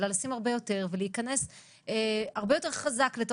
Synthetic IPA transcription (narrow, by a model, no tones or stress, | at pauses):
lalasimaʁbejo̞te̞ʁveleikɐne̞s | eaʁbe̞jo̞te̞ʁχazakleto